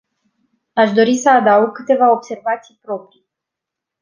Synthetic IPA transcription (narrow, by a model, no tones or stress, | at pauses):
aʃd̪o̞ɾisəad̪awɡ̚kɨt̪e̞vao̞bse̞rvat̪sijpɾo̞pɾij